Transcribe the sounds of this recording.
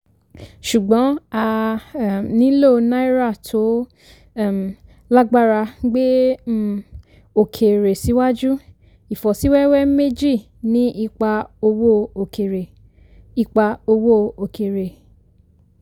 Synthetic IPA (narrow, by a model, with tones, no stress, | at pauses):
ʃu˨ɡ͡bɔ̃˨˦a˧˨ | nĩ˨˦lo˦˧nã˦i˦ɾa˦˨tʰo˨˦˨ | m˨ | la˦ɡ͡ba˦˨ɾa˧ɡ͡be˦˨ | o˨kʰe˨ɾe˨si˨˦wa˦d͡ʒu˦ | i˨fɔ˨si˨˦wɛ˦wɛ˦me˦d͡ʒi˦˨ | nĩ˨˦i˧k͡pa˧o˧wo˦o˨kʰe˨ɾe˨ | i˧k͡pa˧o˧wo˦o˨ke˨ɾe˨